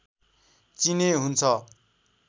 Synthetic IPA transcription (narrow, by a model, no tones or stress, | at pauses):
t͡sineɦunt͡sʰʌ